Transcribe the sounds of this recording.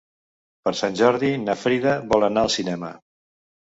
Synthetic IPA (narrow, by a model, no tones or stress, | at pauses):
pəɾsanʲʒɔɾðinəfɾiðəβɔlˠənaəlˠsinɛmə̰